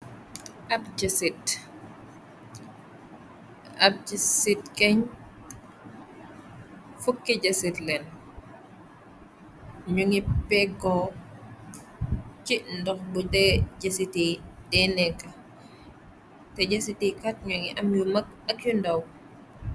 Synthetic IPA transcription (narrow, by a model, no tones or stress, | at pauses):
ʔɐb̚d͡ʒɐsit | ɐb̚d͡ʒisitkɛɲ | fukːiɟɐsitlɛn | ɲuŋipɛɡɔ | t͡ʃindɔxbutɛɟɐsitidɛnɛkːɐ | tɛɟɐsitikat̚ɲuŋiʔɐmjumɐk̚ | ɐkjundɐw